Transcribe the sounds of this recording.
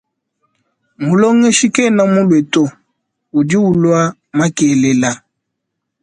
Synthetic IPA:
mu˨lɔ˦ŋɛ˦ʃi˦kɛ˦˨na˦mu˦lwɛ˨to˦ | u˨di˦u˨lwa˦ | ma˦kɛ˨le˨la˦

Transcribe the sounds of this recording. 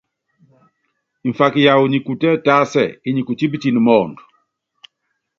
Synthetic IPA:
i˨ɱ˨fa˨ki˨ja˨wu˨ɲi˨ku˨tɛ˦ta˦sɛ˨i˦ɲi˨ku˨t͡ʃi˦bə˦t͡ʃi˨n˨mɔ˨ndu˨

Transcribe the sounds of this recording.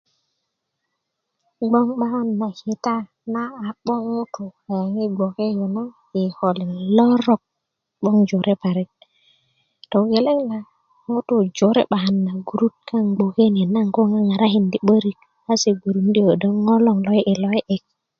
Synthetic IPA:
ɡ͡bo˦ŋɓa˦ha˦nːa˨hi˨ta˦ | na˦a˨k͡po˦ŋo˦to˨a˨ja˨ŋi˦ɡ͡bo˨ke˦je˨no˦ | i˨ho˨li˨nlo˦ɾo˨k̚ | ɓo˦ŋd͡ʒo˨ɾe˦pa˨ɾi˦t̚ | to˨ɡe˨le˦ŋla˨ | mo˦to˨d͡ʒo˨ɾḛ˦ɓa˨ha˨nːa˨ɡu˨ɾu˦t̚ka˦ŋɡ͡bo˨ke˦n˨e˨na˦ŋko˦ŋa˦ŋa˨ɾa˦ɦi˨ndi˨ɓə˦ɾi˨k̚ | a˦se˨ɡu˨ɾu˨ndi˦o˨do˦ŋŋo˦lo˦˨ŋlo˦jʔi˨lo˦e˦ʔe˨k̚

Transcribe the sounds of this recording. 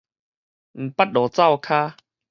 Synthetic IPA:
ŋ̩˨˩pa˦t̚ɗɔː˨˩t͡sa˥˨wkʰaː˦

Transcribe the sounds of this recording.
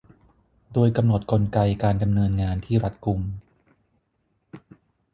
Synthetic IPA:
doː˧jka˧mno˨˩t̪̚ko˧nka˧jkaː˧nda˧mnɤː˧nŋaː˧nt̪ʰiː˥˩ɾa˦˥t̪̚ku˧m

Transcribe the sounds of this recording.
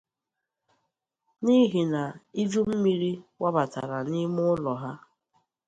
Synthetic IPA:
ni˦ɦi˨na˨i˦d͡ʒu˦m̩˦mi˦ɾi˦wa˦ba˨ta̰˨ɾa˨ni˦mʊ˦lɔ˨ɦa˦

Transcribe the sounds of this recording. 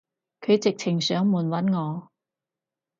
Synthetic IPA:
kʰɵ˨˧ɥt͡sɪ˨k̚t͡sʰɪ˨˩ŋsœː˨˥ŋmuː˨˩nwɐ˨˥nŋɔː˨˧

